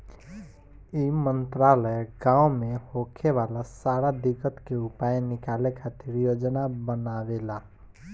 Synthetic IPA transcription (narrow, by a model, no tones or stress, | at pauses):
imənt̪ɾaləjɡãːumehokʰeʋalasaɾad̪ikət̪keupajnɪkalekʰat̪iɾjoːd͡ʒnabənawela